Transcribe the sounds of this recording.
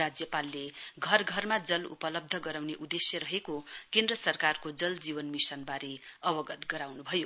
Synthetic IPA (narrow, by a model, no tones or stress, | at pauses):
ad͡zjʌpalːeɡʱʌrɡʱʌrmad͡zʌlṵpʌlʌb̚d̪ʱʌɡʌɾawneʔud̪esjʌɾʌɦekokend̪rʌsʌrkarkod͡zʌld͡ziβʌnmisʌnbaɾeʌbʌɡʌt̪ɡʌɾawnubʱʌjo